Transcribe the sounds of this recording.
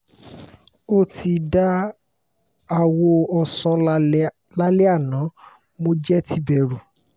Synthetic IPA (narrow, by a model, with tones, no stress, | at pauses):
o˦˨ti˧da˦ | a˧wo˧ɔ˧sɔ̃˧˦ | la˦lɛ˦a˦˨nã˨˦ | mo˧d͡ʒɛ˦tʰi˧˦bɛ˧˨ɾu˨